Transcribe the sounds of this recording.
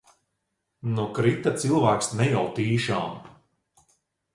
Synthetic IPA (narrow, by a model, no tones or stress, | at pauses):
nukɾit̪at̪silˠvæːksnɛjawt̪iːʃaːm